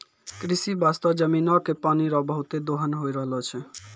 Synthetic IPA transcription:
kɾisibast̪ɔd͡ʒəminɔkepaniɾɔbəɦut̪ed̪oɦənɦojɾəɦlɔt͡ʃʰɛ

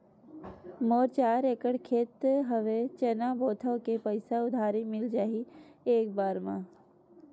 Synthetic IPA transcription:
moːɾt͡ʃaːɾekəɽkʰeːt̪ɦəʋet͡ʃɛnaboːt̪ʰəʋkepəɪsaʊd̪ʱaːɾimɪld͡ʒaːɦieːk̚baːɾmã

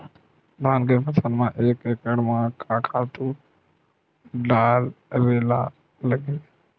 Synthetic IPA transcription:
bʱaːnkeːpəsʰənmãːʔeːkeːkəɽmãkʰakʰaːt̪u | ɖaːlɾeːla̰ | ləɡeː

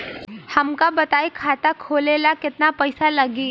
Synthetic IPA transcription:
həmkabət̪ajkʰat̪akʰoːlelakɪt̪napəjsalaɡiː

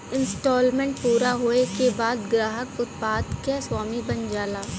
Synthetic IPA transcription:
ɪnsʈoːlmẽːɳʈ̚puːɾaɦoːekebaːd̪ɡɾaːɦəkʊt̪paːd̪keswaːmibɐnd͡ʒaːlaː

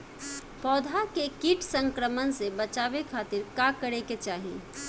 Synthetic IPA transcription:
pɔːd̪ʱakekiʈsə̃ŋkɾəmənsebət͡ʃaːbekʰaːt̪ɪɾkakəɾeket͡ʃaːɦḭ

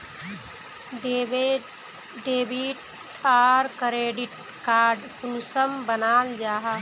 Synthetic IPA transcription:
ɖeːbiʈ | aːɾkɾeːɖiʈ̚ | kaːɾɖpunusəmbənaːld͡ʒaːɦa

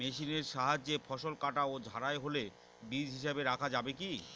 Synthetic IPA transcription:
meʃineɾʃaɦad͡ʑːefʰɔʃolkaʈaod͡ʑʱaɾaeɦole | bid͡ʑɦiʃebeɾakʰad͡ʑabeki

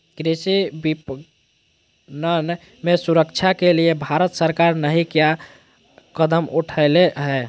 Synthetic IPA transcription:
ɡɾesibip | nən | mesuɾəkt͡ʃʰakeliebʱaɾət̪səɾkaɾnəɦĩkja | kəd̪əmuʈʰəɪleɦɛ

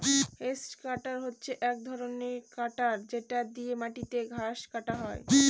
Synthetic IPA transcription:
hesʈkaʈaɾɦotːɕʰeʔɛk̚d̪ʱɔɾoneɾkaʈaɾd͡ʑeʈad̪iemaʈit̪eɡʱaʃkaʈaɦɔe

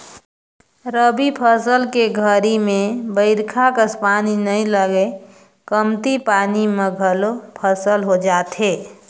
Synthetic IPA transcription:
ɾəbipʰəsəlkeɡʱəɾimẽbəɪɾkʰakəspaːninəĩləɡe | kəmt̪ipaːnimeɡʱəlopʰəsəlɦod͡ʒaːt̪ɦeː

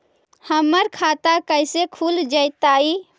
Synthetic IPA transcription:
həməɾkʰat̪akəjsekʰuld͡ʒəjt̪ai

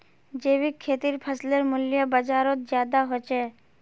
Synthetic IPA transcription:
d͡ʒeːʋikʰːeːt̪iɾpʰəsleɾmʊljəbəd͡ʒaːɾot̪̚d͡ʒjaːd̪aɦot͡ʃʰeː

